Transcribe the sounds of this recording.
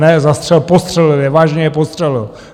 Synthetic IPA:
nɛzast̪r̥ɛlpost̪r̥ɛlɪljɛvaːʒɲɛjɛpost̪r̥ɛlɪl

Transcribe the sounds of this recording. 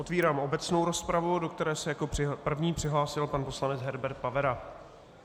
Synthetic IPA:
ʔot̪viːɾaːmʔo̞bɛt͡sno̞wɾo̞spɾavudo̞k̚t̪ɛɾɛːsɛjako̞pr̩vɲiːpr̥ɪɦlaːsɪlpanpo̞slanɛt͡sɦɛɾbɛɾt̪̚pavɛɾa

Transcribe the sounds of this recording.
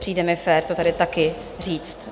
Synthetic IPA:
pr̥iːdɛmɪfɛːɾt̪ot̪aɾɪt̪akɪ | r̝iːt͡st̪

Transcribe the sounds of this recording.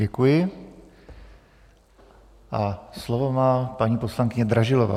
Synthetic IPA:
ɛkujɪ | ʔaslovomapaɲiːposlaŋkɪɲɛd̪ɾaʒɪlova̰

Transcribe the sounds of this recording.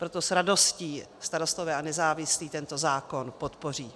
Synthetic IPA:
pɾot̪osɾado̞sciː | st̪aɾo̞st̪ovɛːʔanɛzaːvɪsliːt̪ɛnt̪o̞zaːko̞npot̪po̞r̝iː

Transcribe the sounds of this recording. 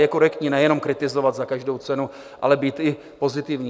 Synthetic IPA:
jɛko̞ɾɛkt̪ɲiːnɛjɛno̞mkɾɪt̪ɪzovat̪zakaʒdo̞wt͡sɛnu | ʔa̰lɛbiːt̪ɪ | po̞zɪt̪ɪvɲi

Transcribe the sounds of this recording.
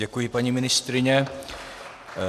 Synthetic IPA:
ɛkujɪpaɲimɪnɪst̪ɾɪɲɛ

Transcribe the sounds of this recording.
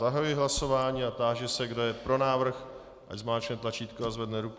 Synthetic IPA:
zaɦajujɪɦlaso̞vaːɲiːat̪aːʒɛsɛɡdojɛpɾo̞naːvr̩x | ʔa̰ɟzmaːt͡ʃnɛt̪lat͡ʃiːt̪koazvɛdnɛɾuk

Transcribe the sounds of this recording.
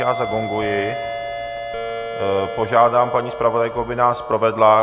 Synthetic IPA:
aːzaɡoŋɡujɪ | po̞ʒaːdaːmpaɲiːspɾavodajkoabɪnaːspɾo̞vɛdla

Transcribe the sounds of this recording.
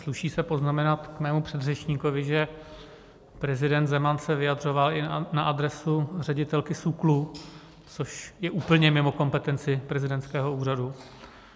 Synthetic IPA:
sluʃiːsɛpo̞znamɛnat̪kmɛːmupr̝̥ɛd̪rɛʃɲiːko̞vɪʒɛ | pɾɛzɪdɛnd̪zɛmansɛvɪjadr̝o̞valɪnaʔad̪ɾɛsurɛɟɪt̪ɛlkɪsuklu | t͡so̞ʃjɛʔuːpl̩ɲɛmɪmo̞ko̞mpɛt̪ɛnt͡sɪpɾɛzɪdɛnt̪skɛːɦo̞uːradu

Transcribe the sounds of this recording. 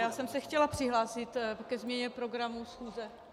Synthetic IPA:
jaːsɛmsɛxcɛlapr̥ɪɦlaːsɪt̪kɛzmɲɛɲɛpɾo̞ɡɾamusxuːzɛ

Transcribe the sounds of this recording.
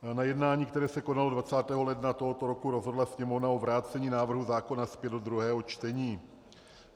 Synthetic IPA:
najɛdnaːɲiːk̚t̪ɛɾɛːsɛkonalo̞dvat͡saːt̪ɛːɦo̞lɛdnat̪o̞ɦo̞t̪o̞ɾo̞kuɾo̞zɦo̞dlasɲɛmo̞vnaʔo̞vɾaːt͡sɛɲiːnaːvr̩ɦuzaːko̞naspjɛdod̪ɾuɦɛːɦo̞t͡ʃt̪ɛɲiː

